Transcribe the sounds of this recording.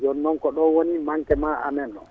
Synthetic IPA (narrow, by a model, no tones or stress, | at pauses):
d͡ʒɔnːɔŋkɔɗɔwonimaŋkɛmaa̰mɛnɗɔ̰